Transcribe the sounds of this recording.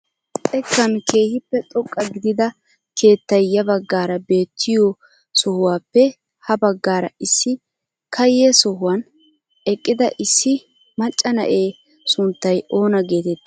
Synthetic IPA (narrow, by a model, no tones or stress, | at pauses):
ɛkːɐnkʰe̞ːhɪpːɛt̪ʼɔkʼːɐɡɪd̪ɪd̪ɐ | kʰe̞ːt̪ːɐjjːɐbɐɡːaːɾɐbe̞ːt̪ʰːɪjo | sɔhʊwaːpːɛ | hɐbɐɡːaːɾɐɪsːɪ | kɐjesɔɦʊwɐn | ɛkʼːɪd̪ɐʔɪsːɪ | mɐt͡ʃʼːɐnɐ̰ʔeː | sʊnt̪ːɐjo̞ːnɐɡe̞ːt̪ɛt̪ːɪ̥